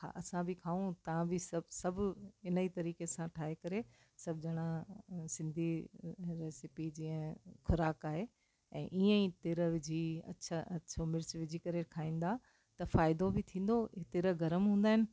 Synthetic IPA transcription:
ha̰ːʔɐsãbɪkʰaːũt̪ɐʋ̤ãbɪsɐbsɐbʱɪnəit̪ɐɾiːkesãʈʰaːɦekɐɾe | sɐbʱd͡ʑɐɽ̃ãsɪ̃nd̪ʱiɾeːsɪpid͡ʑiːə̃xʰʊɾaːkaːɦe | ɛ̰̃ːʔiːə̃ĩt̪ɪɾəʋɪd͡ʑʱiɐ̰tːt͡ɕʰaʔɐʃʰomɪɾsʋɪd͡ʑʱikɐɾekʰaːĩːn̆d̪a | t̪ɐfaːɪd̪obɪt̪ʰĩːn̆d̪ot̪ɪɾəɡɐɾəmɦũːnd̪aːɦɪnɪ̆

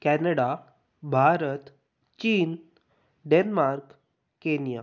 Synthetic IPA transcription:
kɛnəɽa | bʱaɾət̪ | t͡ɕiːn | ɖenmaɾkː | enija

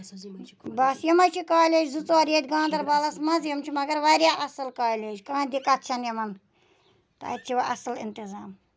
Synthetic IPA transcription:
bɐsjɐmɐt͡ʃʰikaːlʲed͡ʒzut͡soaːɾjeːt̪ʲɡãːnd̪ɐɾbaːlɐsmɐzjɐmt͡ʃʰimɐɡɐɾʋaɾʲjaːʔɐsɨlkaːlʲeːd͡ʒkãːnd̪ikɐt̪̚t͡ʃʰɐnjɐmɐn | t̪a̰ːt̪̚t͡ʃʰiʋɐʔɐsɨlɪ̰nt̪izaːm

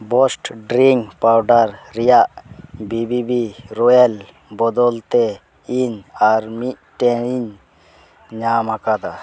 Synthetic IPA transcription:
bɔsʈɖɾiŋpawɖaɾːɛjaʔbibibiɾɔjɛl | bɔd̪ɔlt̪ɛ | iɲaɾmiʔ̚ʈɛɾiɲ | ɲamakad̪a

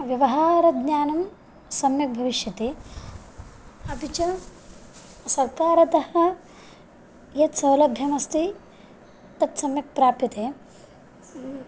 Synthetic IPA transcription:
ʋjɐʋɐɦaːɾɐd̪njaːnɐm | sɐmjɐk̚bʱɐʋiʃjɐt̪e | ɐpit͡ʃɐ | sɐɾkaːɾɐt̪ɐɦɐ | jɐt̪sɐwlɐbʱjɐmɐst̪i | t̪ɐt̪sɐmjɐk̚pɾaːpjɐt̪eː

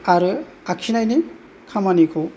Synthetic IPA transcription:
aɾɯ | akʰinajni | kʰamanikʰɔ

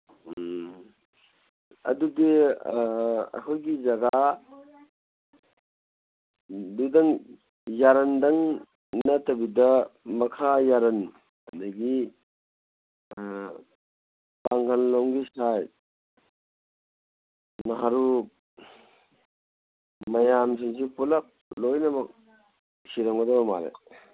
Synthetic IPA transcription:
ɐ̰dudi | ɐ̰kʰɔjɡizɐɡa | dudɐŋ | jaɾɐndɐŋ | natɐbidɐmɐkʰajaɾɐn | ɐniɡi | paŋkʰanlɔŋɡisaj | naɦaɾu | mɐjams̬is̬ipulɐp̚lojnɐmɐk̚ | siɾɐŋɡɐdɐbɐma̰lḛ

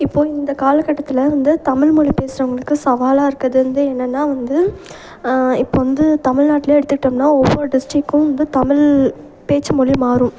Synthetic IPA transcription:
ɪpːoːɪnd̪ɐkaːlɐkːɐʈːɐt̪ːɪlɐʋɐnd̪ɯt̪ɐmɪlmɔɻipeːsɪɾɐʊŋɡɐɭɯkːɯsɐʋaːlaːɪɾɯkːɐðɯɾɐnd̪ɯɛnːɐnːaːʋɐnd̪ɯ | ɪpːoːʋɐnd̪ɯt̪ɐmɪɻnaːʈːɪleːɛɽɯt̪ːɯkːɪʈːɐmnaːɔʋːɔɾɖɪsʈɾɪkːʊ̃ʋɐnd̪ɯt̪ɐmɪl | peːt͡ʃːɐmɔɭimaːɾʊ̃

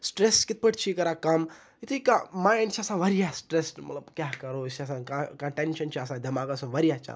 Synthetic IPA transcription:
sʈɾeskɪt̪̚pəʈt͡ʃʰikɐɾakɐm | it̪ʰikamaːjɪ̃ɳɖt͡ʃʰiɐsãʋɐɾijasʈɾesmɐ̰t̪ləbkjaɦkɐɾoiɐsãːkakɐ̃ʈenʃɐnt͡ʃʰiasãd̪ɐmaːɡasõʋɐɾijat͡ʃʰa̰

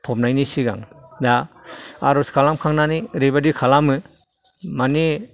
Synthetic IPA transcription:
pʰɔp̚najnisiɡa̰ŋdaa̰ɾɔskʰalamkʰaŋnaniɾebadikʰalamɯ | mani

